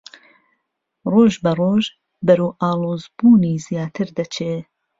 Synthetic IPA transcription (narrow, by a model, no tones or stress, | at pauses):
roːʒbɐroːʒ | bɐɾuːʔaːlˠoːzbuːniːzjaːt̪ʰɨɾd̪ɐt͡ʃʰeː